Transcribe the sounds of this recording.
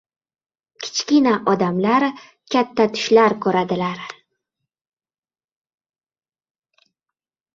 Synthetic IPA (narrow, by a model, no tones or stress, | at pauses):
kʲʰɪ̥t͡ʃkʲinaʔɒd̪amlaɾ | kʲʰat̪ːat̪ʰʊ̥ʃlaɾkʰɵɾad̪ɪlaɾ